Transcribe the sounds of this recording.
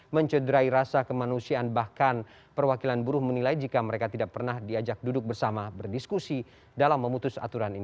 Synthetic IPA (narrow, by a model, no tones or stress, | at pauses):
məɲt͡ʃədɾaiɾasakəmanusianbahkan | pərwakilanbuɾʊhmənilaid͡ʒikaməɾekat̪idak̚pərnahdiad͡ʒak̚dudʊk̚bərsamabərdiskusi | dalamːəmut̪ʊsa̰t̪uɾanini